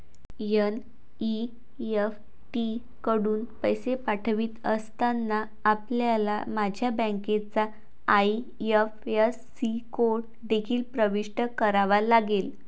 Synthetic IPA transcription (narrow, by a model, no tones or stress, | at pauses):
jən | i | ef | ʈi | kəɽuːnpəjsepaʈʰʋiːt̪əst̪anːaː | pljalamad͡ʑʱjabə̃ŋket͡saː | j | efjəː | ikoɾʈ̚ | d̪ekʰiːlpɾəʋiʂʈəkəɾaʋalaɡel